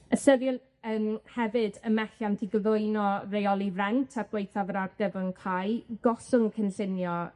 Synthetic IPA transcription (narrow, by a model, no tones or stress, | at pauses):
əsəɾjɔn | əːmhɛvɨdəmɛɬamdiɡəlʊɨnɔrejɔlˠirɛntʰarɡ̥wejθavəɾarɡəvəŋkʰajɡ̥ɔsʊŋkʰənɬɪnjɔ